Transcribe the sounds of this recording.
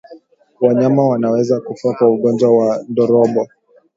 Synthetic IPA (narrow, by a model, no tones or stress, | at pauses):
waɲamawanawɛzakufakwauɠɔnd͡ʒwawandɔɾɔmbɔ